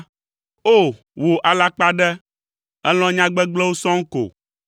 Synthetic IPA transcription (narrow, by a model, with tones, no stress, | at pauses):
o˦˨ | wo˨ʔa˨la˦k͡pa˦ɖɛ˦ | ɛ˦lɔ̃˦ɲã˦ɡ͡bɛ˦ɡ͡blɛ˦wo˦sɔ̃˦ŋ̩˦ko̰˨